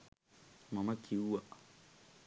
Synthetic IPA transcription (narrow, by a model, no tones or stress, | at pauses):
mamakʰiuwa